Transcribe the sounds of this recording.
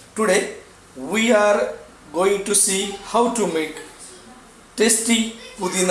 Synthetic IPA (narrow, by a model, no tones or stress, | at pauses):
ʈuɖe | wiaɾ | ɡoĩŋʈusihawʈumek | ʈesʈĩput̪ĩn